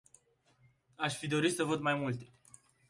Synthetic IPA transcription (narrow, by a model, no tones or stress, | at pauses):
aʃfid̪o̞ɾit̪səvəd̪majmult̪e̥